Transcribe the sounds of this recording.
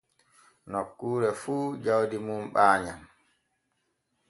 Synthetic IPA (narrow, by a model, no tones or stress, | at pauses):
nokːuːɾɛfuːd͡ʒawdimumɓaːɲam